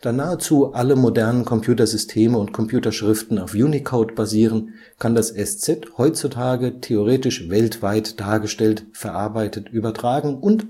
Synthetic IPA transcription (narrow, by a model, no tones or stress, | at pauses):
d̥aːnaːət͡suːʔaləmodɛɐnənkʰɔmpʰj̥uːtɐzʏstʰeːməʊntkʰɔmpʰjuːtɐʃʁ̥ɪftn̩aʊfjuːnikʰoʊtb̥aziːʁən | kʰandasɛst͡sɛthɔʏt͡sutʰaːɡətʰeoʁ̞eːtɪʃvɛltv̥aɪtd̥aːɐɡəʃtɛltfɛɐʔaɐbaɪtətʔyːbɐtʁ̥aːɡŋ̩ʊnt